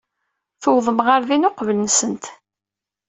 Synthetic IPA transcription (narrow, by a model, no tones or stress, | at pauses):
θʊwðˤəmʁəɾðinʊqvələnsənt̪